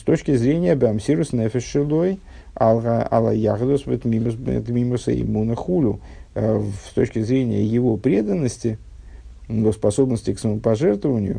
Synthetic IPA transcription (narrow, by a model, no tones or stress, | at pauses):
st̪o̞t͡ɕkʲɪzɾʲenʲɪjəbamsʲiɾʊsnɛfʲɪsʂɨlˠoj | alˠʁaa̰lˠa̰jaʁd̪osvɨt̪mʲim̰t̪mʲimʊsə̰ɪ̰munəxulʲʊ | st̪o̞t͡ɕkʲɪzɾʲenʲɪjə̰jɪvo̞pɾʲe̞d̪ənːəsʲtʲɪ | nospɐso̞bnəsʲtʲɪksəməpɐʐɛrt̪vəvənʲɪjʊ̰